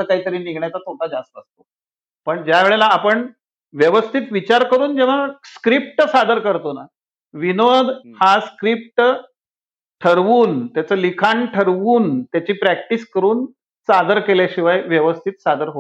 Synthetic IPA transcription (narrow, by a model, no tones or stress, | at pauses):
əkaɦiːt̪əɾiːniɡʱɳjat͡sat̪ʰoʈʰad͡zast̪əst̪o̥ | pəɳd͡ʑjaʋeɭelaːpəɳ | ʋjəʋəst̪ʰit̪ʋit͡ɕaɾkəɾuːnd͡ʑeʋ̤askɾip̚ʈsad̪əɾkəɾt̪ona̰ | ʋinod̪ʱhaskɾip̚ʈ | ʈʰəɾʋuːnt̪jat͡səːlikʰaɳʈʰəɾʋuːnt̪jat͡ɕiːpɾæk̚ʈiskəɾuːn | sad̪əɾkeljaɕiʋajʋjəʋəst̪ʰit̪sad̪əɾɦo